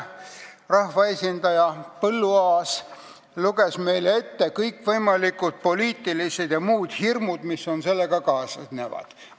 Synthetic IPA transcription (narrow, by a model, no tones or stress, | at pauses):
rɑhvɑesʲind̪̥ɑjɑpɤlːuɑːs | luɡ̥e̞sme̞jle̞t̪ːe̞kɤjkːvɤjmɑlikut̪̚po̞liːt̪ːˑilised̪̥jɑmuːd̪̥hirmud̪misːo̞nse̞lːeɡ̥ɑkɑːsnevɑ̰d̪̥